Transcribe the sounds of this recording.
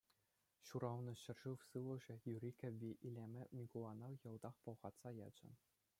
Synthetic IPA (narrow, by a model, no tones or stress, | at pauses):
ɕuɾɑʋnɤ̆ɕɘ̆rʐɯʋsɯlˠɤ̆ʐɘ̆jurʲikʲɘ̆ʋʲiʔilʲemʲɘ̆mʲikulˠɑnɑjɤ̆lˠd̪ɑχpŏlˠʁɑt̪sɑjɑ̰d͡ʑɤ̆